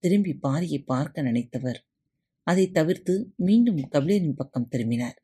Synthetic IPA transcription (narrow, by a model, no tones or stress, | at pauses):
t̪ɪɾɯmbipːaːɾɪjɐɪpːaːɾkɐnɐɳɐɪt̪ːɐʋɐɾ | ɐðɐɪt̪ːɐʋɪɾt̪ɯmiːɳɖɯmkɐʋɪɭeːɾɪnpɐkːɐmt̪ɛɾɯmbɪnaːɾ